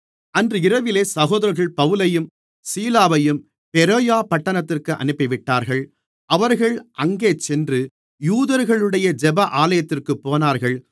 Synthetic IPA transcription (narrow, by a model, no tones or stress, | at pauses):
ɐndrɯɪɾɐʋɪleːsɐɣoːðɐɾɣɐɭpɐʋɯlɐjɯm | siːlaːʋɐjɯm | pɛɾoːjaːpɐʈːɐnɐt̪ːɪrkɯʔɐ̰nɯpːɪʋɪʈːaːɾɣɐɭ | ʔɐʋɐɾɣɐɭʔɐŋɡeːt͡ʃɛndrɯ | juːðɐɾɣɐɭɯɽɐjɐd͡ʒɛbɐʔaːlɐjɐt̪ːɪrkɯpːoːnaːɾɣɐɭ